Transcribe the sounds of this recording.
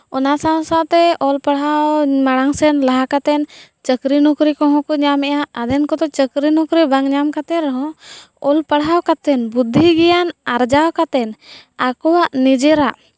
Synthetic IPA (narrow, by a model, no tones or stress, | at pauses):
ɔnasaw̃sat̪ɛɔlpaɽawmaɽaŋsɛnlaɦakat̪ɛnt͡ʃəkɾinukɾikɔɦɔ̃kɔɲamɛjaʔad̪ɛnkɔt̪ɔt͡ʃəkɾinukɾibaŋɲamkat̪ɛɾɛɦɔ̃ | ɔlpaɽawkat̪ɛnbud̪ʱːiɡɛjanaɾd͡ʒawkat̪ɛnakɔwaʔnid͡ʒɛɾaʔ